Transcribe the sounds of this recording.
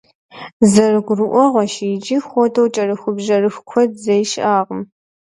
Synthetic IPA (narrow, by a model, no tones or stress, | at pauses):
zɐrɨɡʷʊrɨʔʷɔʁʷɔʃijd͡ʒʼiːxʷɔtʰɐwt͡ʃʼɐrɨxʷʊbʒɐrɨxkʷʰɔdzɐjʃʔaːʁəm